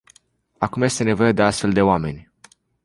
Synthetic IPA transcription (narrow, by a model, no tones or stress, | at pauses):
akumje̞st̪e̞ne̞vo̞je̞d̪e̞ast̪fe̞ld̪e̞oame̞nʲ